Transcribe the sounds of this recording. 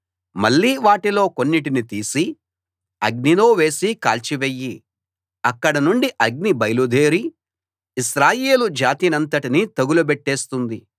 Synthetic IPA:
mɐɭːiːʋaːʈilo̞ːko̞nːiʈinit̪iːsi | ɐɡ̚niloːʋe̞ːsika̰ːlt͡ʃiʋejːi | ɐkːɐɽɐnuɳɖiʔɐɡ̚nibɐjlud̪ʱe̞ːɾiː | ʃɾaːjeːlud͡ʒaːt̪iːnɐnt̪ɐʈinit̪ɐɡulubeʈːeːst̪und̪i

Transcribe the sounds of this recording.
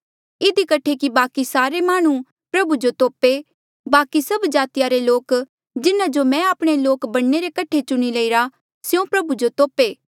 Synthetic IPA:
ɪd̪ikɐʈʰːekibaːkisaːɾemaːɽ̃ũ | pɾɐbud͡ʒot̪oːpe | baːkisɐbd͡ʒaːt̪ɪjaɾeloːk | d͡ʒɪnãd͡ʒomɛ̃aːpɽ̃eloːkbɐɽneɾekɐʈʰet͡ʃʊɽ̃iləiɾa | sjõpɾɐbud͡ʒot̪oːpeː

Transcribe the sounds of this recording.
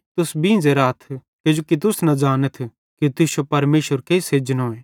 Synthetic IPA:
t̪ʊsbĩd͡ʒeɾaːt̪ʰ | ked͡ʒokit̪̬ʊsnɐd͡ʒaːnət̪ʰ | kit̪ɪsopɐɾmeːsəɾkeiseːd͡ʒənɦoːẽː

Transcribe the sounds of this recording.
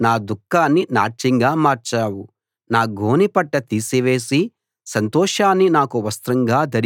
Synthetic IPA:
naːd̪ukːaːnːina̰ːt͡ʃiŋɡaːmaːɾt͡ʃaːwu | naːɡʱoːnipɐʈːɐt̪iːsiʋe̞ːsi | sɐnt̪ɔːʂaːnːinaːkuʋɐst̪ɾɐŋɡaːd̪ɐɾ

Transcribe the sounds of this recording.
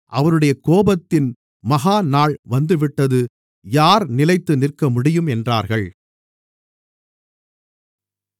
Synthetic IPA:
ʔɐʋɐɾɯɽɐjɐkoːbɐt̪ːɪn | mɐɣaːnaːɭʋɐnd̪ɯʋɪʈːɐðɯ | jaːɾnɪlɐɪt̪ːɯnɪrkɐmʊɽɪjɯmɛndraːɾɣɐɭ

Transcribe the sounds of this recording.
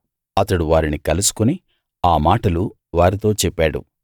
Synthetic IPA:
ɐt̪ɐɽuʋaːɾinikɐlusu̥kuni | aːmaːʈɐlu | ʋaːɾit̪o̞ːt͡ʃɛpːaːɽṵ

